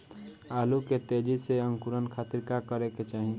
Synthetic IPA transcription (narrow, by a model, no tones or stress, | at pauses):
aːluket̪ed͡ʒiseəŋkuɾənkʰaːt̪iɾkakəɾeket͡ʃaːɦĩ